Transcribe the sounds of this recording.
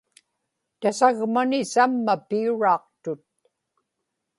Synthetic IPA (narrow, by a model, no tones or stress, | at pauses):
t̪asaɣmanɪsamːapiuɻɑːq̚t̪ʊt̪̚